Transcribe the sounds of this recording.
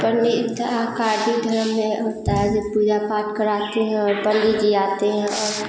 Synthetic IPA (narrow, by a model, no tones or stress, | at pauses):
pəɾneɪt̪akaːɖʱid̪ʱɐɾəmːẽɦoːt̪aɦɛd͡ʒopuːd͡ʒapaːʈkəɾaːt̪eɦɛ̃ɔːɾbəndid͡ʒiaːt̪eɦɛ̃ɔːɾ